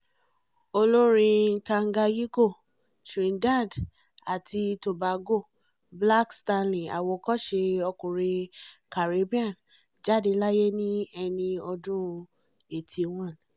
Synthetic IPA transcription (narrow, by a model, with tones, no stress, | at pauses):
o˧lo˦ɾ̃ĩ˧˦kã˧ŋ̩˦ɡa˧ji˦ko˦˨ | ʃĩ˨nda˦˨d | a˨tʰi˧to˨ba˨˦ɡo˦˨ | bla˦ksta˧nlĩ˨a̰˨wo˧kɔ˦ʃe˧ɔ˧kũ˨ɾi˧ka˨ɾe˨˧˦bi˦ã˦˨n | d͡ʒa˦de˧la˦je˦nĩ˦ɛ˧nĩ˧ɔ˧dũ˦ũ˧ | e˨tʰi˧wɔ̃˦˨n˨